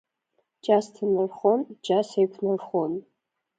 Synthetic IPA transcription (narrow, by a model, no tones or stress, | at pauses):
d͡ʒastʰɨnɨrχond͡ʒasejkʷʰnɨrχon